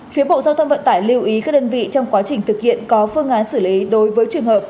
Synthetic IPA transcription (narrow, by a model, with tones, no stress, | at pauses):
fi˨˦əɓo̰˧˨zaː˧wt̪ʰə˧wŋ͡mvə̰˧˨nt̪aː˧˩jli˧əwʔi˨˦kaː˦˥k̚ɗəː˧nvḭ˧˨t͡ɕɔ˧wŋ͡mkwaː˨˦t͡ɕï˨˩ŋ̟t̪ʰɨ˨˩k̚hḭ˧˨ənkɔ˨˦fɨ˧əŋʔaː˨˦nsɨ˧˩li˨˦ɗo˨˦jvəː˨˦jt͡ɕɨ˨˩əŋhəː˨˩p̚